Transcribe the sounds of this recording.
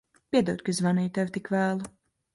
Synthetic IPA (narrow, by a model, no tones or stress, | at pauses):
pʲiɛd̪ɛwt̪̚ʲkazvaniːt̪ɛvt̪ikvæːlˠu